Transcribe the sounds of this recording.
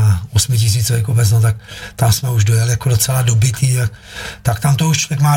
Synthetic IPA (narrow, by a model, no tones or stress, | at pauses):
aosmɪcɪs̬iːt͡sovɛkobɛt͡snot̪ak̚t̪amsmɛuʒdojalɪjakodot͡sɛladobɪt̪ʰiːt̪ak̚ | t̪akt̪amt̪ouʃt͡ʃlovjɛkmaː